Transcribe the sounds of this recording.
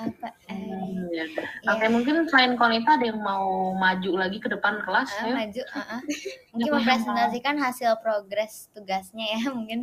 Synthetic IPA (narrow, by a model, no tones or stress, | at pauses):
ʔapa | jaəajamuŋkɪnt̪lankonit̪aːdajaŋmaumad͡ʒulaɡikədəpankəlast̪uad͡ʒuəʔəmuŋkɪnməmpɾɛsɛnt̪asikanɦasɪlpɾoɡɾɛst̪uɡasɲajamuŋkɪn